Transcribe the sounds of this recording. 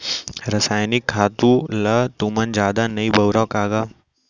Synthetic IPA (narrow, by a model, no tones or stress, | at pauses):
ɾɐsaːjnɪkʰːaːt̪ũlɐt̪umənd͡ʒaːd̪anɐibɐwɾaːkaːɡaː